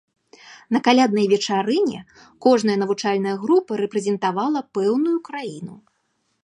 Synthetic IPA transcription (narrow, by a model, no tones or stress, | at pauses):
nɐkalʲad̪nɐjvʲɛt͡ʂaɾɨnʲɛ̰ | kɔʐnɐjɐnɐvut͡ʂalʲnɐjɐɣɾupɨɾɛpɾɛzʲɛnt̪avalˠɐpɛwnujukɾajinu